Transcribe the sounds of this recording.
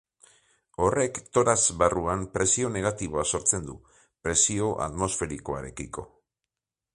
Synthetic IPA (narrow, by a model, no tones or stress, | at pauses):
o̞re̞kt̪o̞ɾazβaruampɾe̞sio̞ne̞ɣ̞at̪iβ̞o̞aso̞ɾt͡se̞nd̪u | pɾe̞sio̞ʔa̰t̪mo̞sfe̞ɾiko̞a̰ɾe̞̰kiko̞